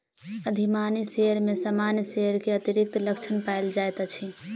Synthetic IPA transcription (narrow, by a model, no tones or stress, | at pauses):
əd̪ʱimaniseəɾmesamanjseəɾkeət̪iɾik̚t̪ləkt͡ʃʰənpaeld͡ʒajt̪at͡ʃʰi